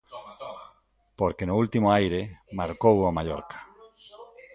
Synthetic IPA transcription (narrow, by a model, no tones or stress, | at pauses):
poɾkenoult̪imoajɾemaɾkowamaʎoɾkḁ